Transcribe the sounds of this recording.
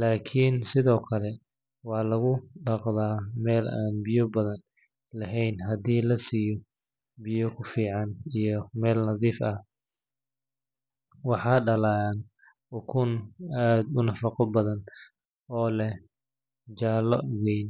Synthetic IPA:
laːkʰiːnsɪðɔːkʰɐlɛ | wɑħlɐɣʊɖɑqðaːmɛːla̰ːnbɪjɔbɐðɐn | lɐɦɛjnɦɐd̪iːlɐsiːjɔ | bɪjɔkʰʊfiːʕɑnijɔmɛːlnɐðiːfɐ | wɑħɑːɖɐlaːn | ʊkʰʊnaːd̪ʊnɐfɑqɔbɐðɐn | ɔːlɛ | d͡ʒaːlɔwɛjn

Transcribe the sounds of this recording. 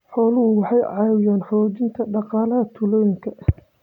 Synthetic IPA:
ħɔːlʊhʊwɑħɑjʕɑːwɪjaːnħɔːt͡ʃɪnt̪ʰɐɖɑqɑːlɐɦɐt̪ʰʊlɔjɪŋkʰɐʔ

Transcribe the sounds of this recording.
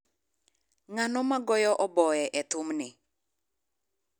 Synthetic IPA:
ŋanɔmaɡɔjɔʔɔbɔɛʔɛt̪ʊmnɪ

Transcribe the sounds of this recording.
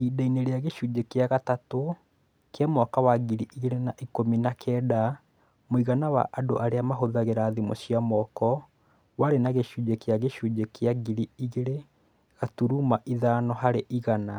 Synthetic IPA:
idaineɾeaɣeɕud͡ʒekeaɣatato | kamɔkawaɡiɾiʔiɣeɾenaʔikominakʰɛːda | moiɣanawa̰ʔadoʔaɾeamaɦoðaɣeɾaðimo̰ɕiamɔkɔ | waɾenaɣeɕuːd͡ʒekeaɣeɕuːd͡ʒekeaɡiɾiiɣeɾe | ɣatuɾumaʔiðanɔɦaɾeʔiɣana

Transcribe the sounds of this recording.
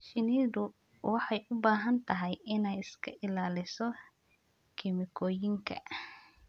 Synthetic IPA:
ʃɪniðʊ | wɑħɑjʔʊbaːɦɐnt̪ʰɐɦɛjɪnɛjɪskʰɐʔɪlaːlɪsɔ | kʰɪmɪkʰɔːjɪŋkʰɐ̰

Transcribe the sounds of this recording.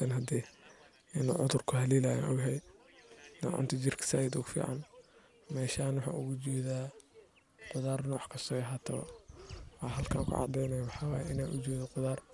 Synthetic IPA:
ɐnɦɐd̪iː | ɛnʊʕʊðʊrkʰʊhɐliːlaja̰nʔʊɣɦɛj | nɐ̰ʕʊ̰nt̪ʰɪt͡ʃɪrkʰɐ̥saːjɪd̪ʊɣfḭːʕɑ̰n | mɛːʃaːnwʊħa̰ːʔʊɣʊt͡ʃɛːðaː | qʊðaːrnɐwɑħkʰɐsɔːjɐɦat̪ʰɐβɐ̰wɑɦɐlkʰã̰ːŋkʰʊ̰ʕɑ̰d̪ɛjnɐjwɑħɑːwaːjʔɪnaːnʔʊt͡ʃɛːðɐqʊðaːr

